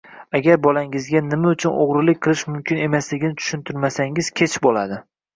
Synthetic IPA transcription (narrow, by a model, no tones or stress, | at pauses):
aɡʲaɾbɒlaŋɪzɡʲanɪmaʊt͡ʃʰʊno̰ʁɾɪlɪk̚ʲqʰɨlˠɪʃmʊmkʲɪne̞maslɪɡʲɪnɪt̪ʰʊ̥ʃʊnt̪ʰʊɾmasaŋɪz̥kʲʰe̞t͡ʃʰbolˠad̪ɪ